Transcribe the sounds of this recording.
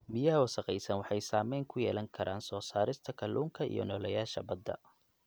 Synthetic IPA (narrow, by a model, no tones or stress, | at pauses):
mɪjɐɦɐwɐsɐqɛjsɐnwɑħɑjsaːmɛjŋkʰʊjɛ̰ːlɐŋkʰɐɾʔaːnsɔːsaːɾɪst̪ʰɐkʰɐluːŋkʰɐḭjɔ̰nɔːlɐjaːʃɐ̰bɐd̪ːɐ̰